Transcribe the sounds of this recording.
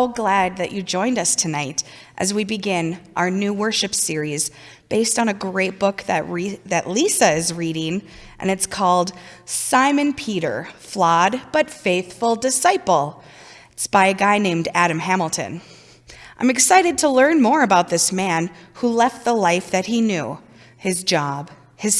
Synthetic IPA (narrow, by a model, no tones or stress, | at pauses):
oʊɡlæd̪̚ðɨt͡ʃɨd͡ʒɔ̃ɪ̃ndʌstʰɨnaɪɾʔɨ̰zwibɨɡɪ̃nʔaʊə˞nʉwɜ˞ʃɨpsɪɹiz | b̥eɪstn̩ɨɡɹeɪt̚b̥ʊkðɨʔ̚ðɨʔlisɨɪzɹiɾɪ̃ŋʔɨ̰̃nɨtskʰɔlˠd̥sãɪ̃mɨ̃npʰiɾə̰˞flɑd̚b̥ʌtfeɪθfl̩ˠdɨsaɪpl̩ˠ | tsb̥aɪɨɡaɪnẽɪ̃mdæɾɨ̃mɦæ̃ml̩ˠtʰɨ̰̃n | ʔãɪ̃mɨksaɪɾɨd̚tʰəlɜ̃˞nmɔɹɨbaʊt̪̚ðɪsmæ̃nhulɛft̪̚ðəlaɪfðɨt̚hinjʉ̰ | ɪzd͡ʒɑb̥ | ɨz̥